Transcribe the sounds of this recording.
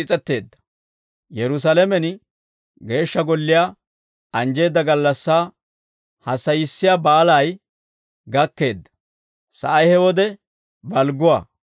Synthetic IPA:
ɪt͡sʼɛt̪ːe̞ːd̪ːɐ̥ | jɛɾʊs̬alɛmɛn | ɡe̞ːʃːɐɡɔlːɪja | ɐnd͡ʒe̞ːd̪ːɐɡɐlːɐsːaː | hɐsːɐjɪsːɪjaːbaːlaj | ɡɐkːe̞ːd̪ːɐ̥ | sɐ̰ʔɐjhɛwɔd̪ɛ | bɐlɡʊwa̰ː

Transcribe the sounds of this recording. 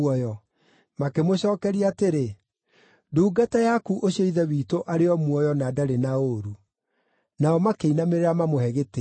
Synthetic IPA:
ɔjɔ | makemoɕɔːkɛɾiaateɾe | duːɡatajakuʔoɕjɔiðɛwiːtoʔaɾeɔmwɔjɔnadaɾenaoɾu | naɔmakeinameɾeɾamamohɛɣete

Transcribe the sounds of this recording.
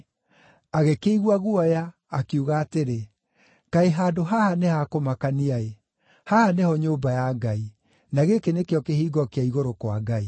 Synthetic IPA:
aɣekeiɣwaɣuɔjaː | keuɣaːteɾe | kaeɦaːdoɦahanehakomakaniae | hahanehɔɲoːmbajaɡai | naɣekenekeɔkehiːɡɔkeaiɣoɾokwaɡai

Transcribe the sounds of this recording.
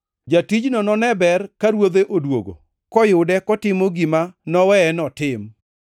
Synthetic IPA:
d͡ʒatid͡ʒnɔnɔnɛbɛrkaɾwod̪eʔodwo̰ɡo̰ | kɔjʊdɛkɔtɪmoɡimanɔwɛːnɔtɪm

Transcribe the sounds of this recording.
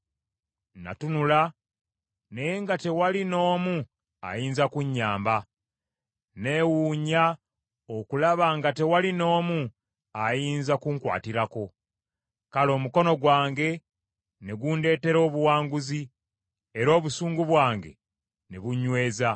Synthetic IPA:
na̰tunula | ne̞jeŋɡate̞walino̞ːmu | a̰jiːnzakuɲːaːmba | ne̞wuːɲa | o̞kulaβaŋɡate̞walino̞ːmu | ajiːnzakuŋkwa̰ːtiɾako̞ | kalo̞ːmuko̞no̞ɡwaːŋɡe̞ | ne̞ɡuːnde̞ːte̞ɾo̞ːβuwaːŋɡuzi | eɾo̞ːβusuːŋɡuβwaːŋɡe̞̰ | neβuɲwe̞ːza

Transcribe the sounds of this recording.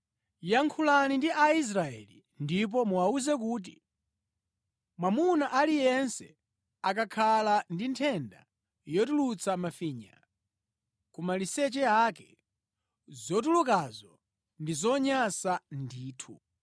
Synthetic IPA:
jaŋkʰulanindiʔais̬ɾaɛ̰li | ndip̬ɔmuwauzɛk̬uːt̬ḭ | mwamunaʔalijɛnsɛ | ak̬akʰalandintʰɛnda̰ | jɔt̬ulut͡samafiːɲa̰ | kumalisɛt͡ʃɛakɛ | zɔt̬ulukazɔ | ndizɔɲasandiːtʰu

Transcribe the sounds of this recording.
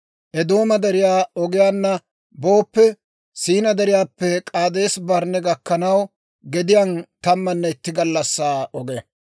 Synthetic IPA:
ʔɛd̪o̞ːmɐd̪ɛɾɪjaːɔɡɪjaːnːɐ | bo̞ːpːɛ | siːnɐd̪ɛɾɪjaːpːɛkʼaːd̪eːsbɐɾnɛɡɐkːɐnɐw | ɡɛd̪ɪjant̪ɐmːɐnːɛɪt̪ːɪɡɐlːɐsːaːɔɡɛ

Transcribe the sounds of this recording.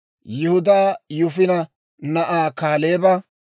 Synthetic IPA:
jɪhʊd̪aːjʊfɪnɐ | nɐʔaːkaːleːbɐ

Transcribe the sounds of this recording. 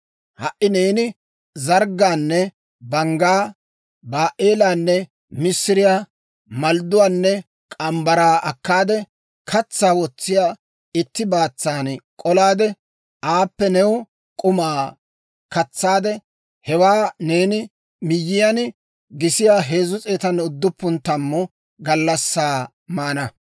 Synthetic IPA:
hɐʔɪneːnɪ | zɐɾɡaːnːɛ | bɐŋɡaː | baːʔeːlaːnːɛ | mɪsːɪɾɪjaː | mɐld̪ʊwaːnːɛ | kʼɐmbɐɾaːɐkːaːd̪ɛ | kʰɐt͡sːaːwɔt͡sːɪjaː | ɪt̪ːɪbaːt͡sːaːnkʼɔlaːd̪ɛ | aːpːɛnɛw | kʼʊmaː | kɐt͡sːaːd̪ɛ | hɛwaːne̞ːnɪ | mɪjːɪjɐn | ɡɪsɪjaːɦe̞ːzʊt͡sʼeːt̪ɐnʊd̪ːʊpːʊnt̪ɐmːɔ | ɡɐlːɐsːaː | maːnɐ

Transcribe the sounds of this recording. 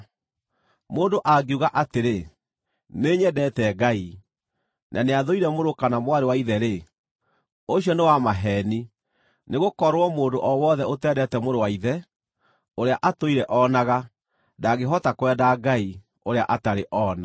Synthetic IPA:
moːndoʔaɡeuɣaʔateɾe | neɲɛdɛtɛɡai | nʔaneaðoiɾɛmoɾokanamwaɾewaiðɛɾe | oɕjɔnewamaɦɛːni | neɣokɔɾwɔmoːdoʔɔwɔðɛotɛdɛtɛmoɾowaiðɛ | oɾeaʔatoiɾɛʔɔnaɣa | daɣeɦɔtakowɛdaɡai | oɾeaʔataɾeʔɔːna

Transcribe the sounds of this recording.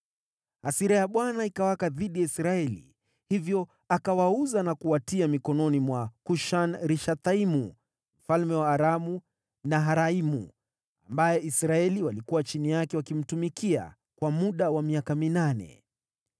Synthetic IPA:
asiɾajaɓwanaikawakaðiɗijaisɾaɛlḭ | hivjɔ | akawauzanakuwatiamikɔnɔnimwakuʃanɾiʃat̪aimu | m̩falmɛwaːɾamu | naɦaɾaimṵ | ambajɛisɾaɛliwalikuwat͡ʃinijakɛwakim̩tumikia̰ | kwamuɗawamiakaminanɛ̰

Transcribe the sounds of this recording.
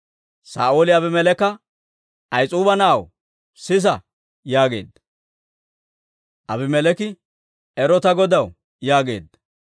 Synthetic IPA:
sa̰ːʔoːlɪɐbɪmɛlɛkːɐ | ɐjt͡sʼuːbɐnaːw | sɪs̬ɐ | jaːɡe̞̰ːd̪ːɐ̥ | ʔɐbɪmɛlɛkɪ | ɛɾɔt̪ɐɡɔd̪ɐw | jaːɡe̞̰ːd̪ːɐ

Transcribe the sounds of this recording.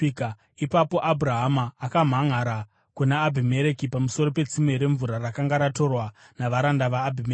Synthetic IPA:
ipapo̞ʔabuɾaɦamaːkam̤aŋaɾa | kunaːbʱime̞ɾe̞kipamuso̞ɾo̞pe̞t͡simeɾe̞ɱvuɾarakaŋɡaɾato̞rwa | naʋaɾandaʋaːbʱime

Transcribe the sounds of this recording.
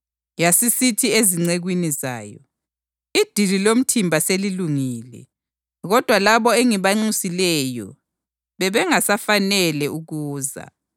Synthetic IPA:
jasisitʰieziŋ͡ǀeɣwiniza̰ːjɔ̰ | id̥ʱililom̩tʰimbʱaseliluŋiːlɛ̰ | ɣɔd̥ʱwalaβɔeŋiβaŋ͡ǀusilɛjɔ̰ | βɛβɛŋasafanɛlɛuɣuːza̰

